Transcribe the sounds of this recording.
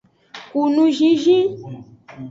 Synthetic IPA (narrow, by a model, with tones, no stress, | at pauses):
ku˨nũ˧ʒĩ˧ʒĩ˦